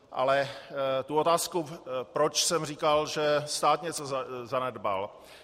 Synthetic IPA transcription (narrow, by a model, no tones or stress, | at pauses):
ʔa̰lɛt̪uot̪aːskupɾot͡ʃsɛmriːkalʒɛst̪aːt̪ɲɛt͡sozanɛd̪ba̰l